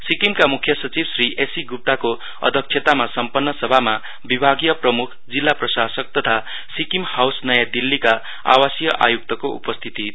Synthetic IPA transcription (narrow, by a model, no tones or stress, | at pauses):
sikimkamukʰjʌsʌt͡sibsriʔesiɡup̚t̪ako | ʌ̰d̪ʱʌk̚t͡ʃʰet̪amasʌmpʌnːʌsʌbʱama | bibʱaɡijʌprʌmukʰd͡zilːaprʌsasʌk̚t̪ʌt̪ʰa | sikimhawsnʌjad̪ilːika | a̰wasjʌʔa̰juk̚t̪ʌkoṵpʌst̪ʰit̪i